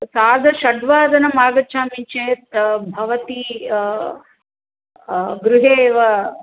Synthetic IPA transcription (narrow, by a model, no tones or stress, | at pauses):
saːd̪ʱɐʃɐɖʋaːd̪ʱɐnɐmaːɡɐt͡ʃʰaːmit͡ʃeːt̪bʱɐʋɐt̪i | ɡɾuɦeːʋɐ